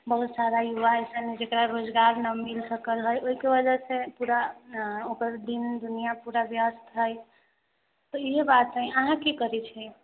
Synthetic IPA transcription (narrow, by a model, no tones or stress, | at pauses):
bəɦut̪saɾajuʋaejsəned͡ʒekɾaɾod͡ʒɡaɾnəmilsəkəlɦəjʔoɦikebəd͡ʒəɾsẽpuɾaokəɾd̪ind̪unijapuɾabjəst̪ʰɦəj | t̪ɔiɦebat̪əĩəɦãkekəɾɛt͡ʃʰɛ